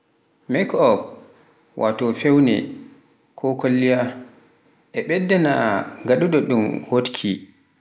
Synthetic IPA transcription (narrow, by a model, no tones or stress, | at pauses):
mɛkɔb | wʔatɔfewnɛ̰ | kʰɔkʰolːija | ʔɛɓɛdːɛnaŋɡaɗuɗɔɗumhotkʰi